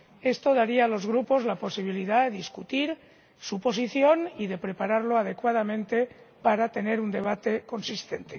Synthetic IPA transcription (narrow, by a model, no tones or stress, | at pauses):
e̞st̪o̞ðaɾiaːlo̞zɣɾupo̞zlapo̞siβ̞iliðaðeðiskut̪iɾ | supo̞siθjo̞niðe̞pɾe̞paɾaɾlo̞aðe̞kwaðamẽnt̪e̞ | paɾat̪e̞ne̞ɾund̪e̞β̞at̪e̞ko̞nsist̪e̞nt̪e̞